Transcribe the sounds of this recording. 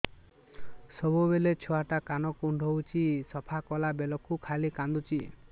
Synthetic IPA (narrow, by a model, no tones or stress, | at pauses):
sɔbubelet͡ʃʰɔɦaʈakanɔkuɳɖʱɔwt͡ʃʰisɔpʰakɔlabelɔkukʰalikand̪ut͡ʃʰi